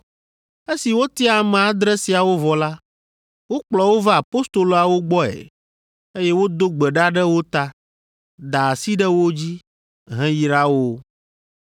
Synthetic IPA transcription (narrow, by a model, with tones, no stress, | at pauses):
e˦si˨wo˦t̪i˦a˨mɛ̃˨a˨d̪ɾɛ˦si˨a˨wo˦vɔ˨la˦ | wo˦k͡plɔ˨wo˦va˦a˨po˦st̪o˨lo˨a˨wo˦ɡ͡bɔ˦ɛ̰˨ | e˦jɛ˦wo˦d̪o˦ɡ͡bɛ˨ɖa˦ɖɛ˦wo˦t̪a˦ | d̪a˨si˦ɖɛ˦wo˦d͡ʑi˦ | ɦɛ̃˦ji˨ɾa˦wo˦